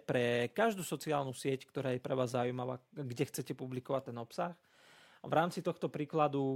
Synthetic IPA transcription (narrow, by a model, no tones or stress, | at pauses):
pɾɛkaʒd̪uːsɔt͡siaːlnusɪɛckt̪ɔɾaːjɛpɾɛʋaːzːaujmaʋaːɡɟɛxt͡sɛcɛpublikɔʋat̚t̪ɛnɔpsax | ʋɾaːmt͡sit̪ɔxt̪ɔpɾiːklad̪u